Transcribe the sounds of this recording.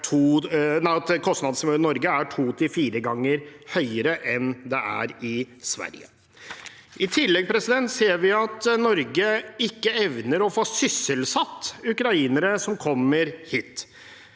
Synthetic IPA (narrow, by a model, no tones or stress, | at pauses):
ʈʰuːnæɪt̪kʰɔsnɑd̪smøːnɔɾɡəæʈʰuːt̪ʰɪlfiːɾəɡɑŋːəɾhœʏəɾəʔɛnd̪ɛʔæ̰ɾɪ | sʋæ̰ɾjə̰ | ʔɪt̪ʰɪlːɛɡ̚pʰɾɛsɪd̪ɛnt̪seːɾʋɪɑt̪nɔɾɡəɪkːəɛʋnəɾɔfoːsʏsːəlsɑt̪ːʉkɾɑiːnəɾəsɔmkʰɔmːəɾhiːt̪